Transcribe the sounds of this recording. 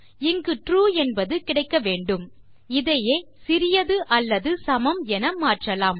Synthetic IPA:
ɪŋɡɯʈruːɛnbɐðɯkɪɽɐɪkːɐʋeːɳɖɯm | ɪðɐjeː | sɪɾɪjɐðɯʔɐlːɐðɯsɐmɐmɛnɐmaːʈrɐlaːm

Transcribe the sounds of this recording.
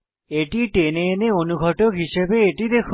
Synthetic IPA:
eʈiʈeneeneonuɡʱɔʈokɦiʃebeeʈid̪ekʰ

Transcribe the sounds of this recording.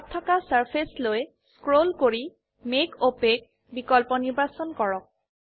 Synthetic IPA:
ttʰːɔkasaɹpʰesloj | skɹolkoɹi | mekopek | bikɔlpɔniɹbasɔnkɔɹɔk̚

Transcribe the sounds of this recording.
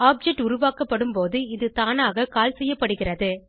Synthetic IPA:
aːp̚d͡ʒɛʈːʊɾʊʋaːkɐpːɐɽɯmpoːðɯɪðɯt̪aːnaːɣɐkaːlsɛjːɐpːɐɽɯɣɪrɐðɯ

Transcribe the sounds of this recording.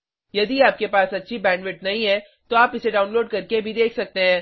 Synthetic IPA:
jɐd̪iaːp̚kepaːsɐtːʃʰibɛ̃ːɳɖʋɪʈnɐɦĩɦɛ̃ː | t̪oaːpɪseɖaːʊ̃nloːɖ̚kɐɾkebʱid̪eːkʰsɐk̚t̪eɦɛ̃ː

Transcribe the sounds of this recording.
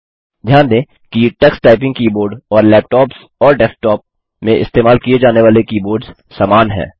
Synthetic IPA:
d͡ʒjãːnd̪ẽː | kiʈɛksʈaːɪp̬ɪ̃ŋɡ̚kiːboːɾɖɔːɾlɛːp̚ʈɔːps | ɔːɾɖɛːpʈɔːp̚ | mẽʔɪ̰st̪eːmaːlkied͡ʒaːneʋaːlekiːboːɾɖz | saːmaːnɦɛ̰̃ː

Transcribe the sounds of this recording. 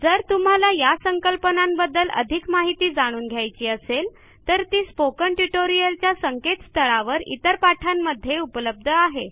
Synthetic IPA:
d͡zəɾt̪um̤alajasəŋkəlpənambəd̪ːələ̰d̪ʱikmaɦit̪iːd͡zaɽ̃uːnɡʱjajt͡ɕiːəsel | t̪əɾt̪iːspokəɳʈuʈoɾijəlt͡ɕjasəŋket̪st̪ʰəɭaʋəɾḭt̪əɾpaʈʰamːəd̪ʱːjeupləb̚d̪ʱəaɦe

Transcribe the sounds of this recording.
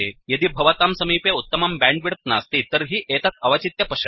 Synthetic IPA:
ejɐd̪iːbʱɐʋat̪aːmsɐmiːpjɐut̪ːɐmambɛ̃ɳɖʋiɽɐt̪̚na̰st̪iːt̪əɾɦiːʔeːt̪at̪ɐʋat͡ʃit̪jɐpɐʂɐ

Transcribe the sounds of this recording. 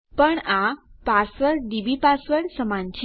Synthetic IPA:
pəɳapasʋəɾɖibipasʋəɾsəmant͡ɕ

